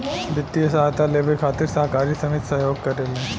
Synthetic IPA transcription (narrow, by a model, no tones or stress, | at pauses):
ʋɪt̪ːijəsaɦt̪aleːʋəlkʰaːt̪ɪɾsɐɦkaːɾisɐmɪt̪sɐɦjoːɡ̚kɐɾelẽ